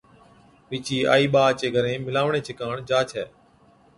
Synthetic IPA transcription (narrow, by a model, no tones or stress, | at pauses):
ʋɪːt͡ʃiːa̰ːiːɓaːt͡ʃeːɡʱəɾẽːmɪlaːʋɳeːt͡ʃʰɪkaːɳd͡ʒaːt͡ʃʰɛː